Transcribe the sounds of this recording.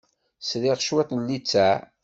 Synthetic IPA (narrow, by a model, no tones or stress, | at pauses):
sðiʁʃwæt̪ˤnlːit͡sːæ